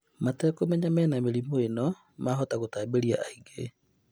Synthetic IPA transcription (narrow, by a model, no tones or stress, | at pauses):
matɛkomɛɲamɛːnameɾimoenɔ | maːɦɔtaɣotaːbeɾiaʔaiɡe